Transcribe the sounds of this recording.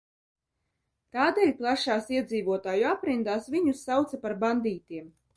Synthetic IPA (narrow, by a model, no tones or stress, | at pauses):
t̪aːd̪eːlʲplˠaʃaːsiɛd̪ziːvuɔt̪aːjuapɾind̪aːsvʲiɲusːawt̪sapaɾband̪iːt̪ʲiɛm